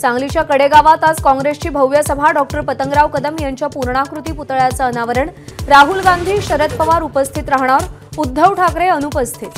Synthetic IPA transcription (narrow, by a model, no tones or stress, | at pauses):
t͡sãŋɡlit͡ɕjakəɽeɡaʋat̪ad͡zkɔ̃ŋɡɾest͡ɕiːbʱəwjəsəbʱaɖɔk̚ʈəɾpət̪əŋɡɾaʋkəd̪əmjaɲt͡ɕjapuɾɳakɾut̪iːput̪ɭjat͡səːnaʋəɾəɳɾaɦulɡand̪ʱiːɕəɾət̪̚pəʋaɾupəst̪ʰit̪ɾaɦɳ̃aʋəɾud̪ʱːəwʈʰakɾeənupəst̪ʰet̪